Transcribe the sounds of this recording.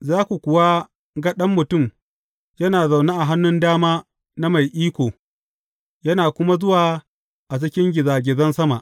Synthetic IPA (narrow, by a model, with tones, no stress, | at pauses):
zaː˦kʷu˨kʷʊ˨waː˦ | ɡɐ˦ɗɐ˦mːʊ˨tʊ˦˨m | jɐ˦naː˨za˨wnaː˦ʔa˨ɦa˦nːʊ˦ndaː˦maː˦ | na˦ma˨jʔiː˦kʷoː˨ | jɐ˦naː˨kʷʊ˦ma˦zʊ˦waː˨ | ʔa˨t͡ʃ̬ɪ˦kʲɪ˦ŋɡʲɪ˨zaː˨ɡʲɪ˨zɐ˦nsɐ˦ma˨ʔ